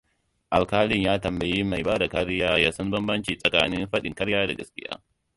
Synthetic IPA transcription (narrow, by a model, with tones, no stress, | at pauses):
ʔa˨lkaː˦lɪ˦ɲjaː˦tɐ˨mbɐ˨ji˦ma˨jbaː˦da˨kɐ˦ɽjaː˦jaː˦sɐ˦mbɐ˦mbɐ˦nt͡ʃiː˨sʼɐ˨ka̰ː˦nɪ˦mɸɐ˦ɗɪ˨ŋkɐ˦ɾjaː˦da̰˨ɡɐ̰˦skʲɪ̰˦ja̰ː˦